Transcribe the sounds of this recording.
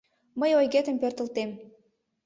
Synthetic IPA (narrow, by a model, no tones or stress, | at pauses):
məjojɣet̪ə̆mpørt̪ə̆lt̪em